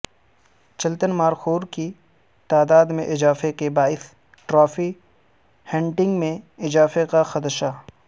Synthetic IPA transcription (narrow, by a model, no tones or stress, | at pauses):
t͡ʃɐlt̪ənmaːɾxoːɾki | t̪aːd̪aːd̪mẽʔɪzaːfekebaːɪs | ʈɾaːfi | hɛ̃ːɳʈɪ̃ŋɡmẽɪzaːfekaxɐt̪ʃa